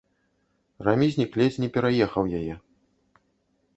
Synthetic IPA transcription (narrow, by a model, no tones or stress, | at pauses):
ramʲizʲnʲiklʲet͡sʲnʲɛpʲɛɾajɛxɐwjajɛ